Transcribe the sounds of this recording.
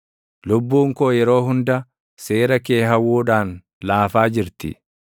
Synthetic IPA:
lʊbːuːŋkoːjɛɾo̞ːɦʊnd̪ɐ | seːɾɐke̞ːɦɐwːuːᶑaːn | laːfaːd͡ʒɪɾt̪ɪ̰

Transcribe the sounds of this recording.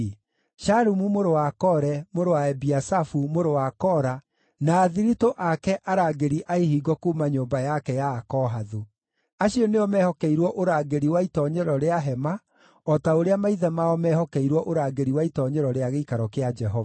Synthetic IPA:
ʃaɾumumoɾowakɔɾɛmoɾowaɛbiasafumoɾowakɔɾa | naːðiɾitoʔakɛʔaɾaːɡeɾiʔaehiɡɔkuːmaɲoːmbajakɛjaːkɔɦaðu | aɕiɔneɔmɛhɔkɛiɾwɔʔoɾaːɡeɾiwaitɔɲɛɾɔɾeaɦɛma | ɔtaoɾeamaiðɛmaɔmɛhɔkɛiɾwɔʔoɾaːɡeɾiwaitɔɲɛɾɔɾeaɣeikaɾɔkead͡ʒɛɦɔva

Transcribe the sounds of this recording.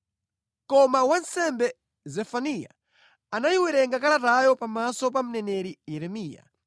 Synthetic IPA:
kɔmawansɛmbɛ | zɛfanija̰ | anajiwɛɾɛŋɡakalatajɔpamasɔp̬am̩nɛnɛɾijɛɾɛmiːja̰

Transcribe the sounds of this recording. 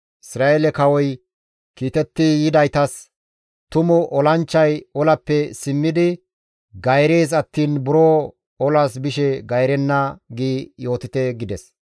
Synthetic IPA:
ɪsɾaːelɛkɐwɔj | kiːt̪ɛt̪ːɪjɪd̪ɐjt̪ɐs | t̪ʊmʊʔɔlɐnt͡ʃːɐjɔlɐpːɛsɪmːɪd̪ɪ | ɡɐjɾeːzɐt̪ːiːnbʊɾoː | ɔlasbɪʃɛɡɐjɾɛnːɐɡiːjo̞ːt̪ɪt̪ɛɡɪd̪ɛs

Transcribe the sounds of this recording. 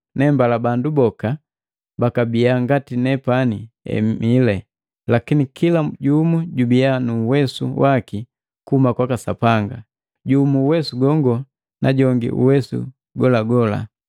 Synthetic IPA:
nɛmbalabandubɔka | bakabijaŋɡatinɛpani | ɛ̰milɛ | lakinikilaɟumuɟubijanuːwɛsuwʔaki | kuumakwakasapaŋɡa | ɟumuːwɛsuɡɔŋɡɔ | naɟɔŋɡḭʔṵwɛsṵ | ɡɔlaɡɔla̰

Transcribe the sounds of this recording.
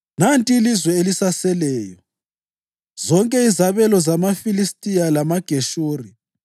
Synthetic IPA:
nantʼilizwɛelisasɛlɛːjɔ | z̥ɔŋkʼɛizaβɛlɔzamafilistʼijalamaɡ̥ʱeʃoːri

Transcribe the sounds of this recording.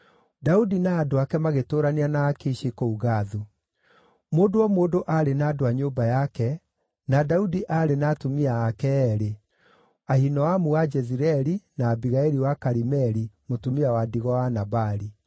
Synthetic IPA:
daudinaːdoakɛmaɣetoːɾaneanaːkeʃekouɣaðu | moːdowɔmoːdoʔaɾenaːdoaɲoːbajakɛ | nadaudiʔaːɾenatomiaːkɛːɾe | ahinɔwamuwad͡ʒɛziɾɛɾinaːbiɣaeɾiwakaɾimɛɾimotomiawadiɣɔwanabaɾi

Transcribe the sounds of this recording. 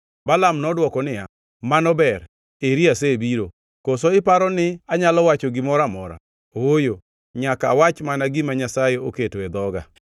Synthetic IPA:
balamnɔdwɔkɔnɪja | manɔbɛɾ | eɾiasebiɾo | kosoɪpaɾɔnɪaɲalɔwat͡ʃɔɡɪmɔɾamɔɾa̰ | ojo | ɲaka̰wat͡ʃmanaɡɪmaɲasajeoketoed̪ɔɡa̰

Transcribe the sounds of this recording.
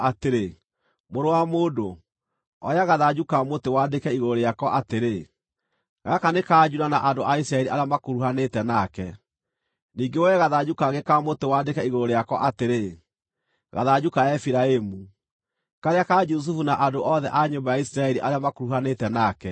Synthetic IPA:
ateɾe | moɾowamoːdo | ɔ̰ɾeaɣaðad͡ʒukamotewadekɛiɣoɾɾeakɔʔateɾe | ɣakanekad͡ʒuɾanaʔandoʔaisɾaɛɾiʔaɾeamakoɾuhanetɛnakɛ | niːŋɡewɛɣaðad͡ʑukaɣekamotewaːdekɛiɣoɾoɾeakɔʔateɾe | ɣa̰ðad͡ʑukajaɛfiɾaemu | kaɾeakad͡ʒus̬ufunaʔadoʔɔðɛʔaɲombajaisɾaɛɾiʔaɾeamakoɾuhanetɛnakɛ

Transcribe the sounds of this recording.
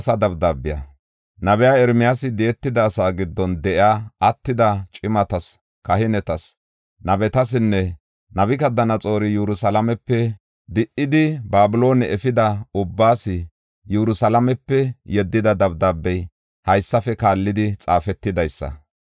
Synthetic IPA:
sɐd̪ɐbd̪aːbːɪjɐ̰ | nɐbɛjaːɛɾmɪjaːsɪd̪ɛɛt̪ːɪd̪ɐːsaːɡɪd̪ːɔnd̪ɛʔɪaːɐt̪ːɪd̪ɐt͡ʃʼɪmɐt̪ɐs | kɐhɪnɛt̪ɐs | nɐbɛt̪ɐs̬ɪnːɛ | nɐbɪkɐd̪ɐnɐt͡sʼo̞ːɾɪjuɾʊsɐlɐmɛpːɛ | d̪ɪʔɪd̪ɪbaːbʊlo̞ːnɛʔɛfɪd̪ɐʊbːaːsɪ | juɾʊsɐlɐmɛpːɛjɛd̪ːɪd̪ɐd̪ɐbd̪aːbːɛj | hɐjsːɐfɛkaːlːɪd̪ɪt͡sʼaːfɛt̪ːɪd̪ɐjsːɐ̰

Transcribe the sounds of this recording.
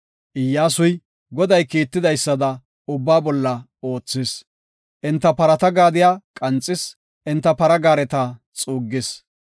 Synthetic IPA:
ʔɪjːaːsʊj | ɡɔd̪ɐjkiːt̪ːɪd̪ɐjsːɐd̪ɐ | ʊbːaːbɔlːɐ | o̞ːt͡sːɪs | ʔɪnt̪ːɐpɐɾɐt̪ɐɡaːd̪ɪjaːkʼɐnt͡sʼːɪs | ʔɪnt̪ːɐpɐɾɐɡaːɾɛt̪a | t͡sʼuːɡːɪs

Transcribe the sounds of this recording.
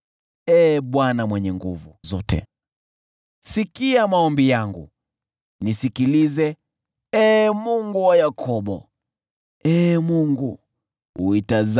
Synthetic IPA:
ɛɓwanamwɛɲɛŋɡuvuzɔtɛ̰ | sikiamaɔmbijaŋɡṵ | nisikilizɛ | ɛmuŋɡuwajakʰɔɓɔ̰ | ɛːmuŋɡu | uitaz

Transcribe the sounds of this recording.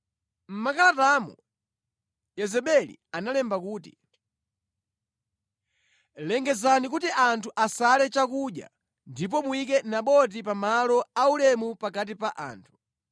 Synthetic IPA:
m̩makalataːmṵ | jɛzɛɓɛlḭanalɛmbakuːtḭ | lɛŋɡɛzanikutiʔantʰuʔasalɛt͡ʃakuɗja̰ | ndip̬ɔmuik̬ɛnaɓɔt̬ipamalɔaulɛmupakat̬ipaʔa̰ːntʰu̥

